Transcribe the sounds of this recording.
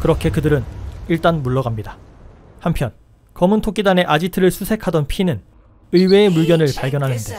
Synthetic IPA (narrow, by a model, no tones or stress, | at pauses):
kɯɾʌkʰe̞kɯdɯɾɯniɭt͈anmuɭːʌɡamɲida | hampʰjʌn | kʌmɯntʰok͈idane̞ʔad͡ʑitʰɯɾɯɭsʰusʰe̞kʰadʌnpʰinɯn | ɯiwe̞ːmuɭɡjʌnɯɭpaɭɡjʌnɦanɯnde̞